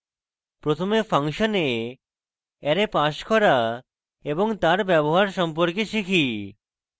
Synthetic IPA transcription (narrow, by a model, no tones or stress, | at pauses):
pɾot̪ʰomefaŋʃone | ɛɾepaʃkɔɾa | eboŋt̪aɾbɛboɦaɾʃɔmpoɾkeʃikʰi